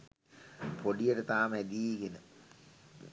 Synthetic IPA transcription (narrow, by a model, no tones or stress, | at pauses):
pʰoɖijəʈət̪aːmɛd̪iːɡenə